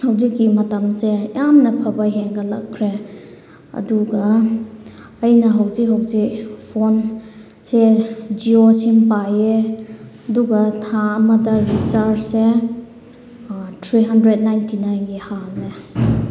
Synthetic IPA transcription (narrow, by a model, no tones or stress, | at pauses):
hawzikːimɐtɐmsejamnɐpʰɐbɐɦeŋɡɐlɐ̰kʰːɾe | ɐ̰duɡɐ | jnɐɦɐwzik̚ɦawzik̚pʰon | sed͡ʒiosinpaje | ɐduɡɐtʰaːmɐtɐɾit͡ʃaɾse | tʰɾiɦɐndɾet̚najntinajnɡihamle